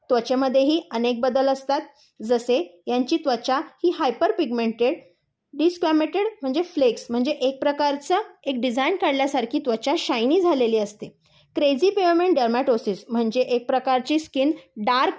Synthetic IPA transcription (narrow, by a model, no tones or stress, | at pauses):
t̪ʋət͡ɕeməd̪ʱːjeɦiːʔənek̚bəd̪ələst̪at̪̚ | d͡zəsejaɲt͡ɕiːt̪ʋət͡ɕahiːɦajpəɾpiɡmeɳʈeɽ | ɖiskɾæmeʈeɽm̤əɳd͡zefleksm̤əɳd͡zeʔek̚pɾəkaɾt͡səek̚ɖid͡zainkaɽljasaɾkʰiːt̪ʋət͡ɕaɕajniːd͡zʱaleliːəst̪e | kɾed͡ziːpeʋɾmeɳʈɖəɾmaʈosiːsm̤əɳd͡zeʔek̚pɾəkaɾt͡ɕiːskinɖaɾk